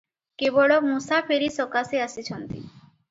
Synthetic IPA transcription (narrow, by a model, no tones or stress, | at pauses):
kebɔɭomusapʰeɾisɔkaseasit͡ɕʰɔnt̪ḭ